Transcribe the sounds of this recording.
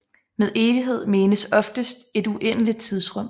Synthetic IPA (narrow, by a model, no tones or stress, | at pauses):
meðˠe̝ːʋiɦe̝ð̞̰ˠme̝ːnəsɒ̽fd̥əsd̥e̝d̥uʔen̰əlid̥̚t͡sʰið̞ˠsʁɔ̽m̰